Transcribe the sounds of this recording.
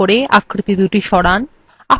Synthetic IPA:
oɾeʔakɾit̪id̪uʈiʃɔɽan | a

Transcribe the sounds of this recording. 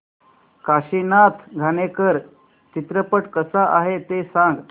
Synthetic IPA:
kaɕinat̪ʰɡʱanekəɾ | t͡ɕit̪ɾəpəʈkəsaʔaɦet̪esãŋɡ

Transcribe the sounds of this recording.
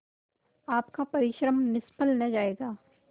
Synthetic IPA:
aːpkapɐɾɪʃɾəmnɪspʰəlnɐd͡ʒaːeːɡaː

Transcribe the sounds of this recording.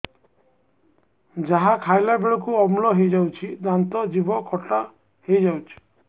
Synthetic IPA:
d͡ʒaɦakʰajlabeɭɔkuɔmulɔɦejd͡ʒawt͡ʃʰid̪ant̪ɔd͡ʒibɔkʰɔʈa | hejd͡ʒawt͡ʃʰi̥

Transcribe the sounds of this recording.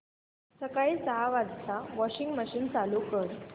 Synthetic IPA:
səkaisəɦaʋad͡zt̪aʋɔɕiŋɡməɕiːnt͡salukəɾ

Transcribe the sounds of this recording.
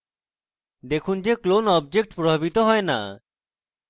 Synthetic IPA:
d̪ekʰund͡ʑeklonɔb̚d͡ʑek̚ʈpɾobʱabit̪oɦɔena̰

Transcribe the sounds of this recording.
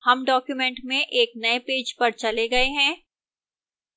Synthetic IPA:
hɐmɖɔːkjumɛ̃ɳʈmẽʔeːk̚nɐepeːd͡ʒpɐɾt͡ʃɐleɡɐeɦɛ̃ː

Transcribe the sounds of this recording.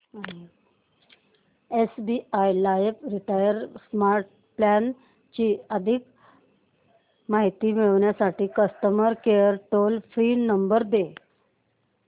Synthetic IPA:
esbiajlajepɾiʈajəɾsmaɾʈ̚ | plan | t͡ɕiːəd̪ʱik | maɦit̪iːmiɭəʋɳjasaʈiːkəst̪əməɾkejəɾʈolfɾiːnəmbəɾd̪e

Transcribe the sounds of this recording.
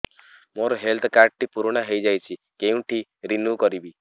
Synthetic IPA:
moɾɔɦelt̪ʰɔkaɾɖ̚ʈipuɾuɽ̃aɦejd͡ʒajt͡ʃʰikeũʈʰiɾinukɔɾibi

